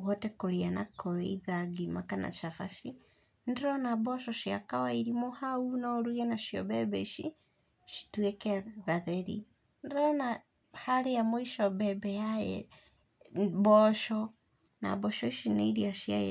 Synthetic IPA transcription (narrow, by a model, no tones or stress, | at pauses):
wɔtɛkoɾianakɔɛiðaɡimakana̰ʃafaʃi | ndɛɾɔnabɔʃɔʃiakawaiɾimɔhaunaɾuɛnaʃiɔ̰bɛbɛʃḭ | ʃi̥twekɛɣaðɛɾḭ | ndɾɔna | haɾejamɔiʃɔbɛbɛjajɛ̰ | bɔʃɔ | na̰bɔʃɔiʃineiɾiaʃiajɛ